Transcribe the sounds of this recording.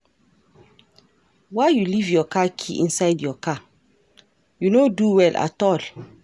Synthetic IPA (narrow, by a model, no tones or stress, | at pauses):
waɪjulivjɔkʰakʰḭʔĩnsaɪdjɔkʰa | junoduwɛlʔa̰tɔl